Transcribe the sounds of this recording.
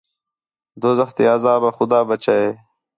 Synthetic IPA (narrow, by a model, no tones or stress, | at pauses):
d̪ozɐxt̪eɐzaːbɐxʊd̪aːbɐt͡ɕaeː